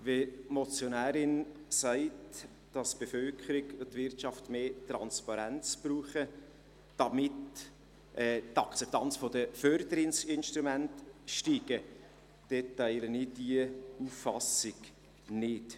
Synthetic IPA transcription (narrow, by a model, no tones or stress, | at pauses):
vemɔt͡sjonæːɾɪnsæɪt | d̥ɑsb̥efœlkʰəɾɪkʊtːvɪrtʃɑftmeːtɾɑ̰nspɑɾænt͡sb̥ruːχə | d̥ɑmɪt | ʔɛːtɑkt͡sɛp̚t̪ɑnt͡sfɔdəfœɾd̪əɾɪnsɪnʃtɾumæntʃtiːɡ̥ə | d̥etːæɪlənidiəufːɑsɪɡ̥ | nɪt